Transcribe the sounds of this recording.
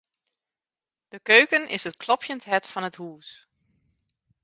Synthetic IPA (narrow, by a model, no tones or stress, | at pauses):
d̥əkøɥkənɪ̰sət̚klɔpʰjəntɦɛtfɑnətɦuːs